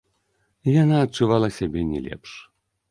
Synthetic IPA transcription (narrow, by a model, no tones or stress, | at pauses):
janaːt̚t͡ʂuvalˠɐsʲabʲɛnʲɛ̰lʲɛ̰pʂ